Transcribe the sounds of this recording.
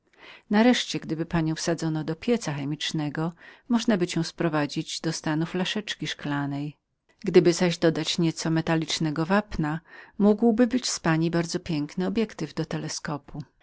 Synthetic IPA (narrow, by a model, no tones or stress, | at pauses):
naɾɛʂt͡ɕɛɡd̪ɘbɘpaɲɔ̃w̃fsad̪zɔnɔd̪ɔpʲjɛt̪saxɛmʲit͡ʂnɛɡɔmɔʐnabɘt͡ɕɛ̃w̃spɾɔvad͡ʑid͡ʑd̪ɔst̪anuflaʂɛt͡ʂkʲiʂklanɛj | ɡd̪ɘbɘzaʑd̪ɔd̪at͡ɕɲɛt̪sɔmɛt̪alʲit͡ʂnɛɡɔvapnamuɡwbɘbɘt͡ɕspaɲibaɾd̪zɔpʲjɛŋknɘɔbʲjɛkt̪ɘvd̪ɔt̪ɛlɛskɔpʰu